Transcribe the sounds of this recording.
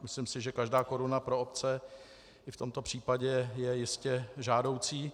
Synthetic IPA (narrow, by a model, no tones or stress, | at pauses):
mɪslɪmsɪʒɛkaʒdaːko̞ɾunapɾoop̚t͡sɛ | ʔɪft̪o̞mt̪o̞pr̝̥iːpaɟɛjɛjɪscɛʒaːdo̞wt͡siː